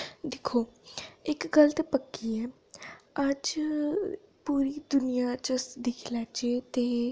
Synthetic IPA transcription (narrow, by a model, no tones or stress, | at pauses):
d̪ekʰoːɪkɡəlt̪epəkːiɛː | ɐd͡ʒ | puːɾid̪ʊnijat͡ʃəsd̪ɪkʰlaːt͡ʃet̪e